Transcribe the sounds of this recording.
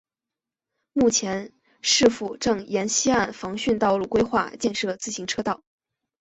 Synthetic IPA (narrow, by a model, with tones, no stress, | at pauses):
mu˥˩t͡ɕʰjɛ˧˥n | ʂɻ̩˥˧fu˥˩ʈ͡ʂɤ˥˩ŋjɛ˧˥nɕi˥a˥˩nfɑ˧˥ŋɕy˥˧nt̪ɑ˥˧ʊlu˥˩kwe˥ɪxwa̰˥˧t͡ɕjɛ˥˧nʂɤ˥˩t͡sɹ̩˥˩ɕi˧˥ŋʈ͡ʂʰɤ˥t̪ɑ˥˩ʊ